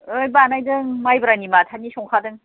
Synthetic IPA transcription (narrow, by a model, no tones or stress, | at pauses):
ɯjbanajdɯŋmajbɯɾanimatʰanisɔŋkʰadɯŋ